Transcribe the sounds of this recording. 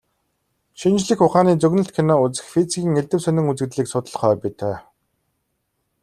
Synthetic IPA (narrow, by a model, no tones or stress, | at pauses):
ʃint͡ɕɮɘ̆xʊχaːniːt͡sɵɣnɵ̆ɬt̪kʰenɔːut͡sɘ̆xfit͡sikʲiːŋeɮt̪ɘ̆wsœnʲɪ̆ŋut͡sɘ̆ɣt̪ɮiːksʊt̪ə̆ɮχœːpit̪ʰœː